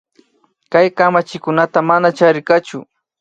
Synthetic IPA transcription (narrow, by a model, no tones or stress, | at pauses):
kajkamat͡ʃɪkʊnat̪amanat͡ʃaɾɪkat͡ʃʊ̰